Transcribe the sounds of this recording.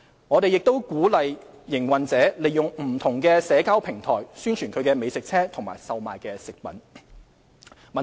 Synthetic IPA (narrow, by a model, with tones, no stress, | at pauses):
ŋɔː˨˧t̪e˨jɪ˨k̚t̪o˥wkuː˨˥lɐ˨jː | ɪ˨˩ŋwɐ˨nt͡sɛː˨˥le˨˩jʊ˨˩ŋm̩˨˩t̪ʰʊ˨˩ŋkɛː˧sɛː˨˧˥kaː˥wpʰɪ˨˩ŋt̪ʰɔː˨˩jsyː˥nt͡ʃʰyː˨˩nkʰɵ˨˧ɥkɛː˧me˨˧jsɪ˨k̚t͡sʰɛː˥t̪ʰʊ˨˩ŋma̰ː˨˩jsɐ˨wma̰ː˨jkɛː˧sɪ˨k̚pɐ̰˨˥n | mɐ˨